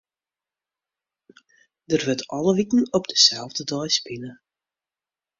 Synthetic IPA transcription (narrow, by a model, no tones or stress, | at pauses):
dərʋətɔlˠəʋitn̩ɔbdəsɛlˠvdədɔjspɪnə